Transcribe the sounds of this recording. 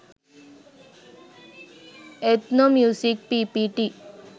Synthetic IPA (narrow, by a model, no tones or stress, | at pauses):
et̪nomjusik̚pipiʈi